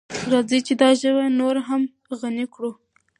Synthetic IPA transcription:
ɾɑd͡zit͡ʃed̪ɑʒəwanoɾɦam | ɣanikɽu

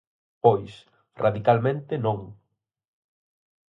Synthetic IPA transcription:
pojs | raðikalmẽnt̪ɪnõŋ

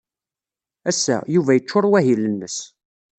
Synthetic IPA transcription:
æsːæ̰juvæjət͡ʃːʊɾˤwæɦilənːəs

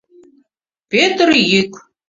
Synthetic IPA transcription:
pʲet̪rjikʷʼ

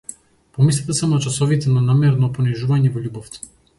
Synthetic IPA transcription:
pɔmislʲɛt̪ɛsamɔat͡ʃasɔvit̪ɛnanamɛɾnɔpɔniʒuvaɲɛvɔʎʲubɔft̪ɛ̥

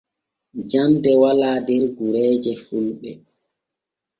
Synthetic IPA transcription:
d͡ʒandɛwalaːdɛɾɡuɾɛːd͡ʒɛfulɓɛ

